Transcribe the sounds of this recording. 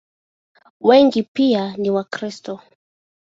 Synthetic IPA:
wɛŋɡipianiwakɾistɔ

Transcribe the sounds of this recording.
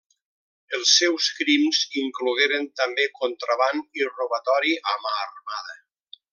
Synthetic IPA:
əlˠsːɛwskɾimziŋkluɣeɾent̪ambekont̪ɾaβaniroβat̪ɔɾiʔamaːrmaðə

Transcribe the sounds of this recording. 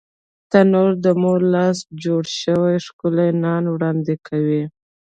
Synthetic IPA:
t̪anoɾd̪əmoɾlɑsd͡ʒoɽʃəwajʂkʊlajnɑnwɽɑnd̪ekʰawi

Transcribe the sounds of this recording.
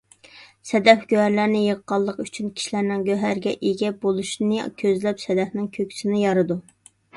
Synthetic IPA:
sɛd̪ɛfɡ̥ʲøhæɾlæɾnɪjəʁːɑlˠːəqyt͡ʃʰynkʲʰi̥ʃilæɾnɪŋɡʲøɦæɾɡʲɛʔeɡʲɛbolˠuʃnɨkʲʰøzlɛpsɛd̪ɛfnɪŋkʲʰøkʲʰsɪnɪjɑɾɨd̪u

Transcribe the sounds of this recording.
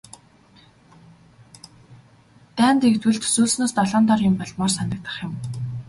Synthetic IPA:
t̪æːnt̪ekt̪wɘ̆ɮt̪suːsnoːst̪ɔɮɔːnt̪ɔrjɪmpɔɮmɔːrsanə̆k̚t̪ə̥̆χjʊ̆m

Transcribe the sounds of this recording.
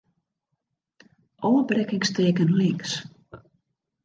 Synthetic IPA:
ʔoːbrɛkɪŋsteːkənlɪŋks

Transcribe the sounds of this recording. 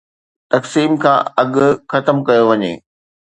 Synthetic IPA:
t̪ɐksiːmkʰã̰ːɐɠʊxɐt̪əmkɐjoʋɐɲḛː

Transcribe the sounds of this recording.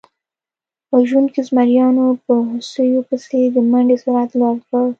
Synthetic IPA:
pəʒwunkezmaɾjɑnopəɦʊsəjopəsed̪əmaɳɖesʊɾat̪lɑɾkə

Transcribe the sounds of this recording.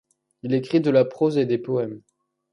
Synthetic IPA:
ilekχid̪əlapχozed̪epɔɛm

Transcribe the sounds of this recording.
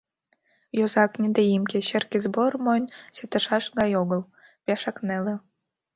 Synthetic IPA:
jozɑknʲed̪eimkʲĕɕĕrkʲezbormonʲset̪ə̆ʃɑʃɡɑjoɣə̆l | pʲɑʃɑknelĕ

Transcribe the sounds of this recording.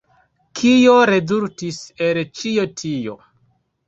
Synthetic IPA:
kʰijoɾezultiselt͡ʃiotʰijo̰

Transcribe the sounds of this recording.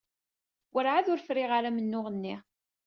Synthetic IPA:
wəɾʕaðʊɾfɾɪʁaɾamənːʊʁənːi

